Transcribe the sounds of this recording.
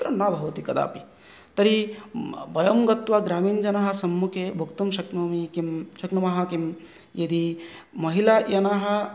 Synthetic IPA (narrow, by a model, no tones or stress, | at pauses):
t̪ɾɐnabʱɐʋɐt̪ikɐd̪a̰ːpi | t̪ɐɾi | bɐjɐmɡɐt̪waɡɾaːmiːnd͡ʒɐnaɦɐ̆sɐmːukʰebʱɐkt̪umʃɐknɐmikimʃɐknɐmɐɦɐkim | jɐd̪imɐɦilajɐnaːɦɐ̆